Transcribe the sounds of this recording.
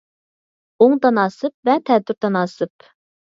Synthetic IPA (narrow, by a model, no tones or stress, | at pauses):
oŋd̪ɑnɑːsɨp̚vɛt̪ʰɛd̪yɾd̪ɑnɑːsɨp